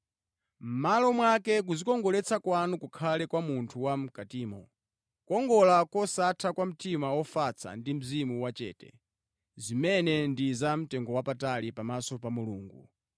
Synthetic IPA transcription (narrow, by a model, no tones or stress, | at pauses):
m̩malɔmwakɛk̬uzikɔŋɡɔlɛt͡sʰakwanukukʰalɛkwamuntʰuwam̩katiːmɔ | kɔŋɡɔlakɔsatʰakwam̩timawɔfat͡sʰa̰ndim̩zimuwat͡ʃɛ̰ːtɛ̰ | zimɛnɛndizam̩tɛŋɡɔwapatalipamasɔpamuluːŋɡu